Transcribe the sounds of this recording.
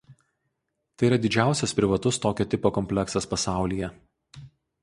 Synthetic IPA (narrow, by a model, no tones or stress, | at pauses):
t̪ɐɪiɾɐd̪ʲɪd͡ʒʲæˑʊsʲɛspʲɾʲɪʋɐt̪ʊst̪oːkʲoːt̪ʲɪpoːkɔmʲpʲlʲɛksɐspɐsɑˑʊlʲijɛ